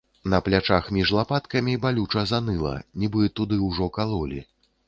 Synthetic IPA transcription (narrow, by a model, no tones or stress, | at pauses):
nɐplʲat͡ʂaxmʲiʐlˠapat̪kɐmʲibalʲut͡ʂɐzanɨlˠɐ̰nʲibɨt̪ud̪ɨwʐɔkalˠɔlʲḭ